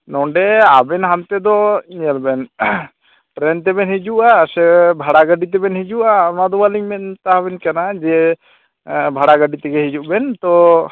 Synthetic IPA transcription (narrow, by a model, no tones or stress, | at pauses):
nɔɳɖɛabɛnɦant̪ɛd̪ɔɲiəlbɛn | ʈɾɛnt̪̬ɛbɛnhid͡ʒuʔasɛbʱaɽaɡəɖit̪̬ɛbɛnhid͡ʒuʔamad̪ɔwaliŋmɛnt̪aɦabɛnkanad͡ʒɛ | bʱaɽaɡəɖit̪ɛɡɛɦid͡ʒuʔbɛnt̪ɔ